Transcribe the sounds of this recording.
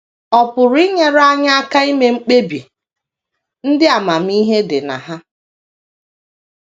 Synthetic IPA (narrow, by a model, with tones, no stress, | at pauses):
ɔ˨pʊ˨ɾi˦ɲe˦ɾa˦ɲa˦a˦ka˦i˦me˦ŋ͡m̩˦k͡pe˦bi˨ | n̩˦dɪ˦a˨ma˨m̩˦i˦ɦe˦dɪ˨na̰˨ɦa˦